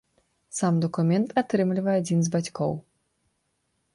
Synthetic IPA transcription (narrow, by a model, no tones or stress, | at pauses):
samd̪ɔkumʲɛnt̪at̪ɾɨmlʲivɐjɛad͡zʲinzbat͡sʲkɔ̰w